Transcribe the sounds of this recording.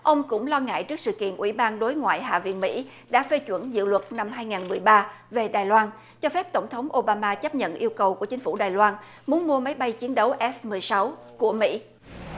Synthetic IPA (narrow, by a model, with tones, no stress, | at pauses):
ʔə˧wŋ͡mkʊ̰˧˥ŋ͡mlɔ˧ŋa̰ː˧˨jt͡ɕɨ˦˥ksɨ̰˧˨kḭ˧˨ənʔwi˧˩ɓaː˧nɗo˨˦jŋwa̰ː˧˨jɦa̰ː˧˨vḭ˧˨ənmḭ˧˥ | ɗa̰ː˧˥fe˧t͡ɕwə̰˧˩nzɨ̰˧˨lwə˨˩t̚na˧mɦaː˧jŋaː˨˩nmɨ˨˩əjɓaː˧ve˨˩ɗaː˨˩jlwaː˧n | t͡ɕɔ˧fɛ˦˥p̚t̪ə˧˩wŋ͡mt̪ʰə˨˦wŋ͡mʔo˧ɓaː˧maː˧t͡ɕə˦˥p̚ɲə̰˧˨nʔi˧əwkə˨˩wku˧˩ət͡ɕï˦ŋ̟fu˧˩ɗaː˨˩jlwaː˧n | mu˨˦ənmu˧əma˨˦jɓa˧jt͡ɕi˨˦ənɗə˨˦wʔɛ˦˥f̚mɨ˨˩əjsa˨˦wku˧˩əmḭ˧˥